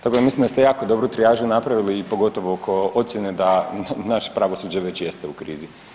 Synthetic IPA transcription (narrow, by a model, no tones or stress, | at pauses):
t̪akod̪amislimd̪ast̪e̞jaːko̞d̪o̞bɾut̪ɾijaːʒunapɾaʋiliːpo̞ɡo̞t̪o̞ʋokʰoo̞t̪sjened̪anaʃe̥pɾaʋosuːd͡ʑaʋe̞t͡ɕje̞st̪eukɾḭːzi